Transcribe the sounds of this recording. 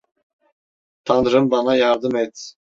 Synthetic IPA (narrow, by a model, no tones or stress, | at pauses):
t̪ʰanɾɯmbanajaɾd̪ɯmɛt̪